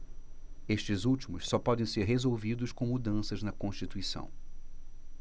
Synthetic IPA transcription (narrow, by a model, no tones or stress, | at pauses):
eʃt͡ʃɪzuwt͡ʃimʊssɔpɔd̪ẽj̃seɾɦezowvid̪ʊʃkõw̃mud̪ɐ̃sɐznɐkõʃt͡ʃit̪uisɐ̰̃w̃